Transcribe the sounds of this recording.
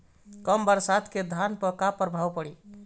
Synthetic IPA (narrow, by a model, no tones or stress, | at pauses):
kəmbəɾsad̪ked̪ʱanpəkapəɾbʱawpəɽi